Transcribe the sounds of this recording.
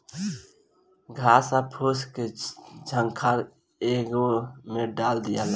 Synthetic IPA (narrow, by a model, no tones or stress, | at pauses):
ɡʱaːsapʰosked͡ʒʱəŋkʰaɾ | eːɡomeɖaːld̪ɪjal